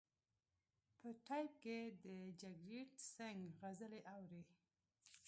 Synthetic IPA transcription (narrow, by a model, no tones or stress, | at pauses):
pəʈajp̚ked̪əd͡ʒaɡɾiʈsaŋɡɣazəleʔawɾe